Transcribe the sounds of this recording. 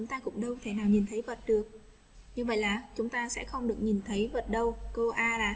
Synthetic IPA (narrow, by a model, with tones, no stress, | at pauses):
t͡ɕʊ˨˦ŋ͡mt̪aː˧kʊ̰˧˥ŋ͡mɗə˧wt̪ʰe˧˩naː˨˩wɲi˨˩nt̪ʰə˨˦jvə˨˩t̚ɗɨ˨˩ək̚ | ɲɨ˧və̰˧˨jlaː˨˩t͡ɕʊ˨˦ŋ͡mt̪aː˧sɛ̰˧˥xə˧wŋ͡mɗɨ˨˩ək̚ɲi˨˩nt̪ʰə˨˦jvə˨˩t̚ɗə˧wko˧ʔaː˧laː˨˩